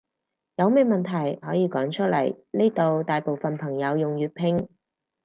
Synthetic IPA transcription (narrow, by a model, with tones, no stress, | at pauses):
jɐ˨˧wmɛː˧mɐ˨nt̪ʰɐ˨˩jhɔː˨˥jiː˨˧kɔː˨˥ŋt͡ʃʰɵ˥t̚lɐ˨˩jne˥t̪o˨wt̪aː˨jpo˨wfɐ˨npʰɐ˨˩ŋjɐ˨˧wjʊ˨ŋjyː˨˧t̚pʰɪ˧ŋ